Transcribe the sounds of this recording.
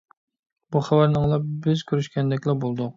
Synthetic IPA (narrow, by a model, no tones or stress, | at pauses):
buχæwæɾnɨŋlˠɑbɪzkʲʰyɾyʃkʲɛnd̪ɛkʲlˠɑbolˠd̪ʊq